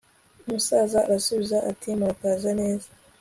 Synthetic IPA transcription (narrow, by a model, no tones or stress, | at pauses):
umusaːzaɾasuβizaʔatʰimakazane̞ːzḁ